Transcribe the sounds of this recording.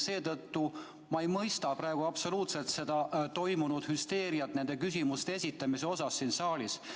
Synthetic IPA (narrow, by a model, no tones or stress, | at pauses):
se̞ːt̪ɤt̪ːu | mɑe̞jmɤjst̪ɑpɾɑe̞ɡ̥uɑpso̞luːt̪se̞lt̪se̞d̪̥ɑt̪o̞jmunud̪̥hyst̪e̞ːɾiɑt̪ne̞nd̪e̞kysimust̪eesʲit̪ˑːɑmise̞o̞sɑsːiːnsɑːlʲis